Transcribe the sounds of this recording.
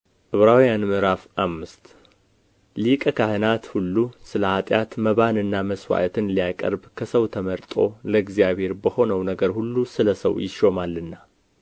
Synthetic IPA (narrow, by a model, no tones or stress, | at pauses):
ʔɨβɾawjanmɨɾafamːɨst̪ | likʼəkʰahɨnat̪hulːusɨləat̪ʼjat̪məβanɨnːaməswa̰ʔət̪ʰɨnlijakʼə̰ɾbkʰəsəwt̪ʰəməɾt̪ʼo̞ləɨɡzjaβhe̞ɾbəho̞nəwnəɡəɾhulːusɨləsə̰wjɪʃo̞malːɨnːa